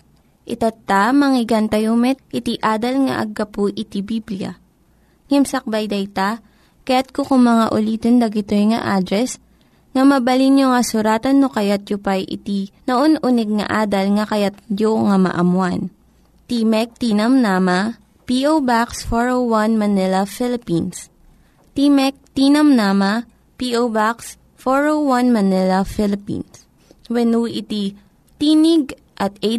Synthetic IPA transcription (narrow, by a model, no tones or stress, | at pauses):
ʔɪt̪ɐt̪ːamɐŋɪɡant̪ɐjomɛt̪̚ʔɪt̪iʔaːd̪ɐlŋɐ̰ʔɐ̰ɡːɐpʊʔɪt̪ibiblijɐ̰ | ŋɛmsɐk̚bɐjd̪ɐjt̪a | kɐjat̪̚kokʊŋmɐŋaʔʊliːt̪ond̪ɐɡɪt̪ojŋɐ̰ʔaːd̪ɾɛs | ŋɐmɐbɐlinjoŋɐsʊɾaːt̪ɐnːokɐjat̪̚jʊpajʔɪ̰t̪inoʔonʔʊnɛɡ̚ŋɐ̰ʔaːd̪ɐlŋɐkɐjat̪̚joŋamɐ̰ʔɐmwan | t̪imɛk̚t̪inɐmnaːmɐ | piʔowbaksfoɹowwanmɐnɛlɐfɪlɪpins | t̪imɛk̚t̪iːnɐmnama | piʔowbaks | foɹowwanmɐnɛlɐfɪlɪpḭns | wɛnuʔɪt̪i | t̪iːnɪɡ̚ | ʔɐt̪̚ɛ